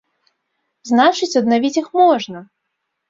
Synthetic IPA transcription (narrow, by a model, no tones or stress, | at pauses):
znat͡ʂɨt͡sʲɐd̪navʲit͡sʲixmɔʐnɐ